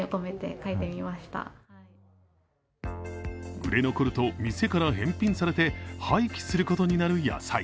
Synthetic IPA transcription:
okome̞t̪e̞̰kaet̪e̞mʲimaɕi̥t̪a̰ | ɡɯ̟ɾe̞no̞ko̞ɾɯ̟t̪omʲise̞kaɾaɦẽ̞mpʲĩɰ̃saɾe̞t̪e̞haikʲi̥sɨɾɯ̟ko̞t̪o̞ɲ̟inaɾɯ̟ja̰sai

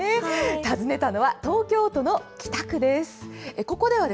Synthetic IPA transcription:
t̪azɨne̞t̪ano̞βat̪o̞ːkʲo̞ːt̪o̞no̞kʲi̥t̪akɯ̟d̪e̞sɨ̥eko̞ko̞d̪e̞β̞ad̪e

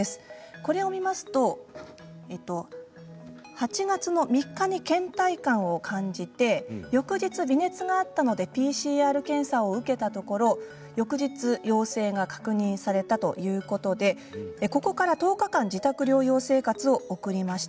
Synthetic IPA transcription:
esɨ̥ko̞ɾe̞o̞mʲimasɨ̥t̪o̞ | et̪ːo̞ | hat͡ɕiɡat͡sɨno̞mʲikːaɲ̟ikẽ̞nt̪aikãɰ̃o̞kʰãɲ̟d͡ʑit̪e̞jo̞kɯ̟ʑit͡sɨbʲine̞t͡sɨɡaːt̪ːano̞d̪e̞pʲiːɕiːaːɾɯ̟kẽ̞ɰ̃saoɯ̟ke̞t̪at̪o̞ko̞ɾo̞ | jo̞kɯ̟ʑit͡sɨjo̞ːse̞ːɡakḁkɯ̟ɲ̟ĩɰ̃saɾe̞t̪at̪o̞̰jɯ̟ːko̞t̪o̞d̪e̞ | ko̞ko̞kaɾat̪o̞ːkakãɲ̟d͡ʑit̪akɯ̟ɾʲo̞ːjo̞ːse̞ːkat͡sɨo̞ːkɯ̟ɾʲimaɕi̥t̪a

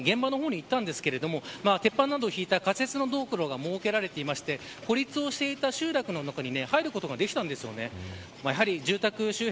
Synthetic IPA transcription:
ɡẽ̞mbano̞ɦo̞ːɲ̟iːt̪ːãnd̪e̞sɨ̥ke̞ɾe̞d̪o̞mo̞maːt̪e̞pːãnːad̪oçiːt̪akat͡sɨ̥e̞t͡sɨno̞d̪o̞ːkɯ̟ɾo̞ɡamo̞ːke̞ɾaɾe̞t̪e̞imaɕi̥t̪e̞ | ko̞ɾʲit͡sɨo̞ɕi̥t̪e̞it̪aɕɨːɾakɯ̟no̞nakaɲ̟ine̞haiɾɯ̟ko̞t̪o̞ɡad̪e̞kʲi̥t̪ãnd̪e̞sɨjo̞̰ne̞ | majaɦaɾʲiʑɨːt̪akɯ̟ɕɨːh

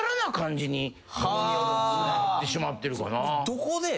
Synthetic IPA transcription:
ɾanakãɲ̟d͡ʑiɲ̟i | hajonat̪ːe̞ɕimat̪ːe̞ɾɯ̟ka̰nad̪̥okod̪e

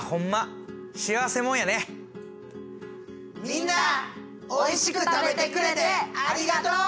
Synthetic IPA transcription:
hõ̞mːa | ɕiaβase̞mõɰ̃jane | mʲĩnːa | oiɕikɯ̟t̪abe̞t̪ekɯ̟ɾe̞t̪eaɾʲiɡat̪oː

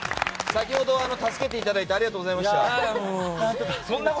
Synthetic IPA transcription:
sakʲiho̞d̪o̞aano̞t̪asɨ̥ke̞t̪̬e̞it̪ad̪ait̪eaɾʲiɡat̪oːɡo̞zaimaɕit̪a | õnːa

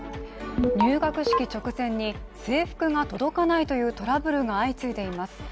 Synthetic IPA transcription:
ɲʲɨːɡakɯ̟ɕi̥kʲit͡ɕo̞kɯ̟zẽ̞ɲ̟ːise̞ːɸɯ̟̥kɯ̟ŋat̪o̞d̪o̞kanait̪o̞jɯ̟ːt̪o̞ɾabɯ̟ɾɯ̟ŋaːit͡sɨid̪e̞imasɨ̥

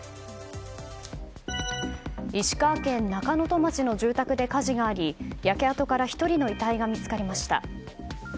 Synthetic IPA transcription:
iɕi̥kaːkẽ̞nːakano̞t̪o̞mat͡ɕino̞ʑɨːt̪akɯ̟d̪e̞kaʑiɡaːɾʲijake̞at̪o̞kaɾaçi̥t̪o̞ɾʲino̞it̪aiɡamʲit͡sɨ̥kaɾʲe̞maɕi̥t̪a̰

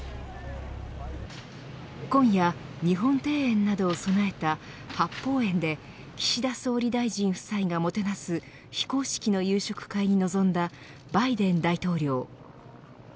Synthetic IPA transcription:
kõ̞ɰ̃jaɲ̟iɦõ̞nt̪e̞ːẽ̞nːad̪o̞ːso̞nae̞t̪a | hapːo̞ːẽ̞nd̪e̞ | kʲi̥ɕid̪aso̞ːɾʲid̪aiʑĩɰ̃ɸɯ̥saiɡamo̞t̪e̞nasɨ | çi̥ko̞ːɕi̥kʲino̞jɯːɕo̞kɯ̟̥kaiɲ̟ino̞zõ̞nd̪a | baid̪ẽ̞nd̪ait̪o̞ːɾʲo̞ː

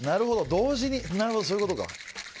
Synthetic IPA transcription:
naɾɯ̟ɦo̞d̪o̞d̪o̞ːʑiɲ̟inaɾɯho̞d̪osoːiɯkot̪o̞ka̰

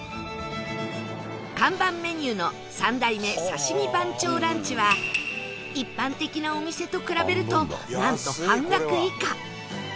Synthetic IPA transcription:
kãmbãmːe̞ɲ̟ɨːno̞ | sãnd̪aime̞saɕimʲibãɲ̟t͡ɕo̞ːɾãɲ̟t͡ɕiβa | ipːãnt̪e̞kʲinao̞mʲise̞t̪o̞kɯ̟ɾabe̞ɾɯ̟t̪o̞nãnt̪o̞hãŋɡakɯ̟ika

